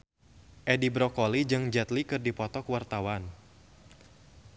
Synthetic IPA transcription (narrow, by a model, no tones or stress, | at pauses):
ʔɛdibɾɔkɔlid͡ʒɨŋd͡ʒɛt̪likɨrdipɔt̪ɔkwart̪awan